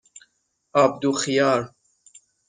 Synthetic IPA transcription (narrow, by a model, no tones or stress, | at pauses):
ab̚d̪uxijɑːɾ